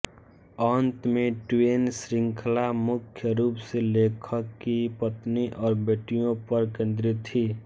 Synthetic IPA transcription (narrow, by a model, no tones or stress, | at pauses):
aːnt̪mẽʈweːnsɾɪ̃ŋkʰlamʊkʰjəɾuːpseleːkʰəkːipət̪niʔɔːɾbeːʈijõpəɾkẽːnd̪ɾit̪ʰːi